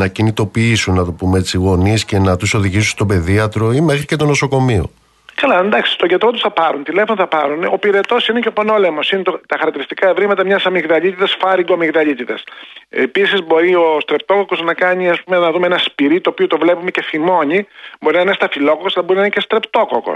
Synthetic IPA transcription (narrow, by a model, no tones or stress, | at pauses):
nɐcinit̪o̞piisunːɐt̪o̞pumeet͡siɣo̞nisce̞nɐt̪uso̞ðiʝisunst̪o̞be̞ðiɐt̪ɾo̞imexɾicet̪ono̞so̞ko̞mio̞̰ | kɐlɐend̪ɐksi̥st̪oʝet̪ot̪usθɐpɐɾunt̪ile̞fo̞noθɐpɐɾuno̞piɾe̞t̪o̞sineceopono̞lemosinet̪ot̪ɐxɐɾɐkt̪iɾist̪i̥kɐevɾimɐt̪ɐmɲɐsɐmiɣðɐʎit̪it̪ɐsfɐɾiɡomiɣðɐʎit̪it̪ɐ̰sepisizbo̞ɾio̞st̪ɾe̞p̚t̪o̞koko̞znɐkɐɲiɐspumenɐðumeenɐspiɾit̪oːpiot̪o̞vlepume̞ce̞θimo̞ɲibo̞ɾinɐnest̪ɐfilo̞kokosɐlɐboɾinɐnecest̪ɾept̪o̞ko̰ko̰